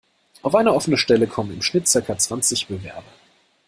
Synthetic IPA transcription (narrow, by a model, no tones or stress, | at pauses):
ʔaʊfʔaɪnɐɔfənəʃtɛləkʰɔmənɪ̰mʃnɪt̚t͡sɪɐkat͡sv̥ant͡sɪçb̥əvɛɐbɐ